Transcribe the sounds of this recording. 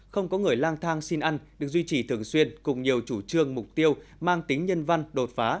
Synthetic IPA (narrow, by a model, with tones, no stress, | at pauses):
xə˧wŋ͡mkɔ˨˦ŋɨ˨˩əjlaː˧ŋt̪ʰaː˧ŋsi˧nʔa˧jŋ̟ɗɨ˨˩ək̚zwi˧t͡ɕi˧˨˩t̪ʰɨ˨˩əŋswi˧ənkʊ˨˩ŋ͡mɲi˨˩əwt͡ɕu˧˩t͡ɕɨ˧əŋmʊ˨˩k͡p̚t̪i˧əwmaː˧ŋt̪ï˨˦ŋ̟ɲə˧nva˧nɗo˨˩t̚faː˨˦